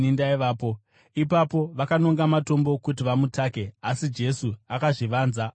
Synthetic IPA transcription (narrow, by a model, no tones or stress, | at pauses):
indaiʋaːpo̞ | ipapo̞ʋakano̞ŋɡamato̞mbo̞kutiʋamutaːke̞asid͡ʒe̞suakaʐiʋaːnza